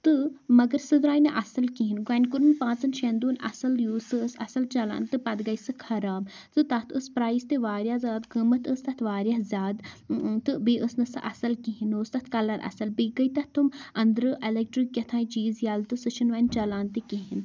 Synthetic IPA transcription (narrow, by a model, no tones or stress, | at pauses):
t̪ɨmɐɡɐɾsɨd̪ɾaːjnɐʔɐsɐlkiɦinɡankuɾɨnpãːt͡sɨnʃeːnd̪uːnɐ̰sɐljuːsɨəsɐ̰sɐlt͡ʃɐla̰ːnt̪ɨpɐd̪ɡɐjsɨkʰɐɾaːb | t̪ɨt̪ɐt̪ʰəspɾaːist̪eʋaːɾʲjazʲaːd̪kimɐt̪əst̪ɐt̪ʰʋaːɾjaːɦzʲjaːd̪t̪ɨbiːʔəsnɨsɨ̰ʔɐsɐlkiɦinoːst̪ɐt̪ʰkɐlɐnɐ̰sɐlbiːɡɐjt̪ɐt̪ʰːumɐnd̪ɾɨʔelek̚ʈɾikːʲɐt̪ʰãːjĩt͡ʃiːzjaːlt̪ɨsɨʃʰinʋaːnt͡ʃɐlaːnt̪ikiɦin